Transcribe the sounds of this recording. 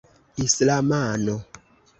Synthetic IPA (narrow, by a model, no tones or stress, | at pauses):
islamano